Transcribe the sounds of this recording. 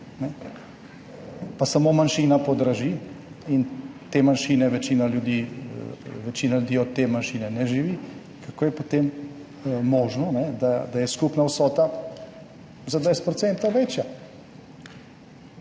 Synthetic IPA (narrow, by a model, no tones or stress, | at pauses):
nɛ | pasamomanʃinapɔd̪ɾaʒi | int̪eːmanʃiːnɛʋɛt͡ʃiːnaljud̪i | ʋɛt͡ʃiːnaljud̪iːɔd̪t̪ːemanʃiːnɛnɛʒiʋi | kakoːjɛpot̪emː | ɔːʒnɔnɛd̪ad̪ajɛskupnawsɔːt̪a | zad̪ʋɛjst̪pɾɔt̪sɛnt̪ɐʋet͡ʃja